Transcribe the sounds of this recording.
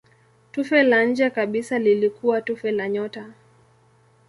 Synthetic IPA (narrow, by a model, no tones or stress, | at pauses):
tufɛlaɲ̩d͡ʒɛkaɓisalilikuwatufɛlaɲɔta